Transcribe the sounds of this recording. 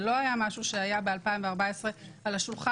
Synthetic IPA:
lo̞ajamaʃuʃeajabealpaimveaʁbaesʁe̞alaʃulχa

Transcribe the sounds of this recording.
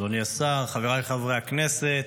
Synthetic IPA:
oniasaʁχaveʁaleχavʁeakneset̪

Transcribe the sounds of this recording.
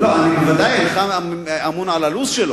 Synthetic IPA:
loanivad̪ajeleχaam | amunʕalalusʃelo

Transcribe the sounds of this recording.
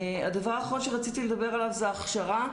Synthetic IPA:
ad̪avaʁaχonʃeʁat͡sit̪iled̪abe̞ʁalavzeaχʃaʁa

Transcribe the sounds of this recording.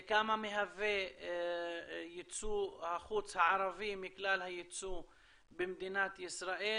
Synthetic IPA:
kamameɦave | jit͡suhaχut͡shaʕaɾavimːiklalhajit͡su | bemd̪inat̪jisɾaʔe

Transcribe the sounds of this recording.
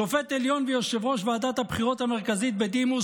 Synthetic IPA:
ofet̪eljo̞nvejoʃevʁoʃvead̪at̪habχiʁo̞t̪ame̞ʁkazit̪̚bed̪imu

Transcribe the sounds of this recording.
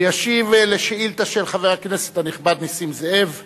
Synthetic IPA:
jaʃivleʃeilt̪aʃelχaveʁaknese̥t̪aniχbad̪nisimzeʔev

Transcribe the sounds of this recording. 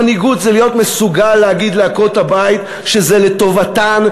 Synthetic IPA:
aniɡut̪zelijo̞t̪mesuɡalːeaɡid̪leako̞t̪habait̪ | ʃezeleto̞vatan

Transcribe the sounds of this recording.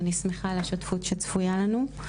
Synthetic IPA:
nismeχaleʃotfutʃet͡sfujalanu

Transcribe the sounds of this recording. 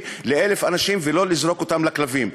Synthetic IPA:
leele̞fanaʃimvelo̞lizɾo̞kot̪amlaklavim

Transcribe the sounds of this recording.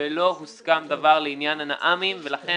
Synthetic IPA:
elo̞ɦuskamd̪avaʁleinjanana̰ʔamimve̞laχe

